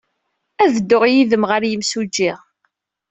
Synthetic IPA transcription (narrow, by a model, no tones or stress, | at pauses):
æðəd̪ːʊʁjiðəmʁəɾjəmsud͡ʒːiʁ